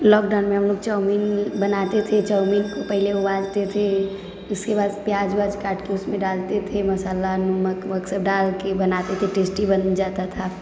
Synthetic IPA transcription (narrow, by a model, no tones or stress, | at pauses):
lɔːkɖaʊnmẽɦəmloːɡt͡ʃəminbənat̪et̪ʰet͡ʃəʊminkopəɦɪleobãd͡ʒt̪et̪ʰe | ʊskebaːd̪pjaːd͡ʒbaːd͡ʒkaːʈkeʊsmẽɖalt̪et̪ʰeməsaːlanuməkməksəb̚ɖalkebənat̪et̪ʰeʈeːsʈibənd͡ʒat̪at̪ʰa